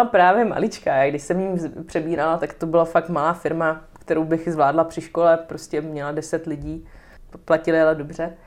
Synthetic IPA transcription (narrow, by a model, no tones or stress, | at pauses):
lapɾaːvjɛma̰lɪt͡ʃkaaɡdɪʃsɛmɲiːmpr̥ɛbiːɾalat̪akt̪obɪlafakt̪malaːfɪɾmakt̪ɛɾowbɪxzvlaːdlapr̝̥ɪʃko̞lɛpɾoscɛmɲɛladɛsɛt̪lɪɟiː | placɪlɪalɛdobr̝ɛ